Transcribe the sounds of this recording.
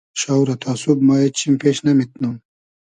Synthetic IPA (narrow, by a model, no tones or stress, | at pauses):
ʃawɾɐt̪ʰaːsubmaet͡ɕʰimpeːʃnɐmit̪̚num